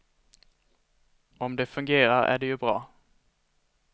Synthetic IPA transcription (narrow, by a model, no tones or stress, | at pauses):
ɔmd̪ɛfɵŋɡeːɾaɾæ̰ɖɛjɵbɾɑː